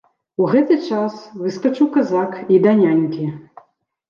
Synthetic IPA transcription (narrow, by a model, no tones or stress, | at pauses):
uɣɛt̪ɨt͡ʂasvɨskat͡ʂuwkazakid̪anʲanʲkʲi